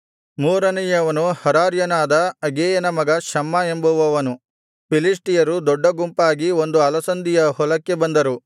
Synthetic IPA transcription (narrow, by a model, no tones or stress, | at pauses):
muːɾɐnɛjɐʋɐnuhɐɾaːɾjɐnaːd̪ɐɐɡeːjɐnɐmɐɡɐʃɐmːɐe̞mbɐʋɐʋɐnu | pilisʈijɐɾud̪ɔɖːɐɡumpaːɡiond̪uɐlɐsɐnd̪ijɐhɔlɐkːe̞bɐnd̪ɐɾu